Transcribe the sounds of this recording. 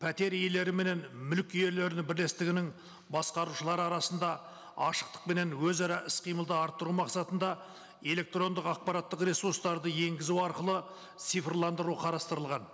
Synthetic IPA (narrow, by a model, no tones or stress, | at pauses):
pʰæt̪e̞ɾele̞ɾɪme̞ne̞nmʏlkʲejeɾle̞ɾɪnɪbɪɾle̞st̪ɪɡʲɪnɪŋ | bɑsqɑɾuʃəlˠɑɾɑɾɑsənd̪ɑ | ɑʃə̥q̚t̪ə̥q̚me̞ne̞nwɵzɑɾɑʔɪsqʰijməlˠd̪əɑɾt̪ːəɾumɑqsɑt̪ənd̪ɑ | e̞le̞k̚t̪ro̞nd̪əqɑq̚pɑɾɑt̪ːəqrʲe̞suɾst̪ɑɾd̪əje̞ŋɡʲɪzuwɑɾqəlˠə | t̪sijfrlˠɑnd̪əɾuəqʰɑɾɑst̪əɾəlˠʁɑn